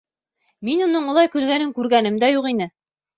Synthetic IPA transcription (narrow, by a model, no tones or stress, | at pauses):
minunɤɴŭlˠɑjkʉlɡænɘŋkʉɾɡænɘ̆md̪æjuqinɘ